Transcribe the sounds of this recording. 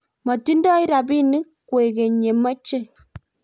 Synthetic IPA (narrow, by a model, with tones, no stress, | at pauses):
mɔ˨ti˦n˦dɔ˦i˦ɾa˨bi˦ni˦kwe˨ɡe˨ɲe˨mə˦t͡ʃe˦˨